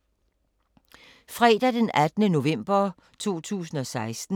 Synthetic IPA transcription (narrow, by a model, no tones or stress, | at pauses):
fʁɛːd̥æd̥enæd̥ənəno̝ʋem̰b̥ɐ | t͡sʰo̝̰ːt͡sʰṵːsn̩ɒ̽sɑ̈ɪsd̥n̩